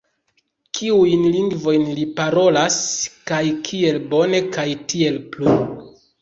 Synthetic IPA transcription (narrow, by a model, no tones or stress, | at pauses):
kʰiujnliŋɡvo̞jnlipaɾo̞laskajkʰie̞lbo̞ne̞kajtʰie̞lplu